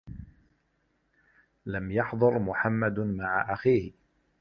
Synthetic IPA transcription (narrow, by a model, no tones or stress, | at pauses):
lamjɑħd̪ˤɑɾmʊħamːad̪maʕaʔaxiːhɪ